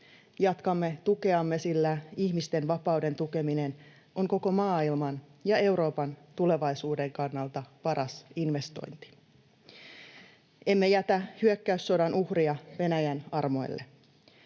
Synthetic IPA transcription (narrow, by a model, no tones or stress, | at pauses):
jɑt̪kɑmːet̪uke̞ɑmːesilːæiçmist̪e̞nʋɑpɑwde̞nt̪uke̞mine̞n | ʔo̞ŋko̞ko̞mɑːilmɑnjɑe̞wɾo̞ːpɑnt̪ule̞ʋɑisuːde̞ŋkɑnːɑlt̪ɑpɑɾʔɑsinʋe̞st̪o̞̰jnt̪i̥ | e̞mːe̞jæt̪æhyøkːæysːo̞dɑnuhriɑʋe̞næjænɑrmo̞̰j̰lːe